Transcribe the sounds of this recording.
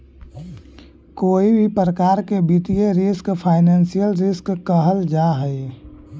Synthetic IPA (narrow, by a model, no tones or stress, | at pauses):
koːibʱipɾəkaːɾkebit̪ijeɾɪskpʰaːɪnə̃ːnsijəlɾɪskːəɦəld͡ʒaɦɛe